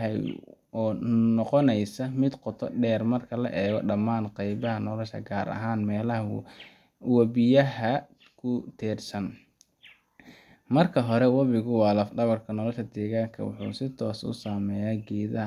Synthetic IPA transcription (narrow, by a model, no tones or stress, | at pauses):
ɦɛj | ɔːnɔqɔnɛjsɐmɪd̪qɔt̪ʰɔɖɛːrmɐrkʰɐlɐ̰ʔɛːɣɔɖɐmaːnqɑjβɐɦɐnɔlɔʃɐ̰ɡaːɾɐ̰ɦaːnmɛːlɐɦ | wɐβɪjɐɦɐ | kʰʊt̪ʰɛːrsɐn | mɐrkʰɐɦɔɾɛwɐβɪɣʊwɑːlɐfɖɐβɐrkʰɐnɔlɔʃɐd̪ɛːɣaːŋkʰɐ̰wʊ̰ħṵːsɪt̪ʰɔːsʊ̰saːmɛːjaːɡɛːðɐɦ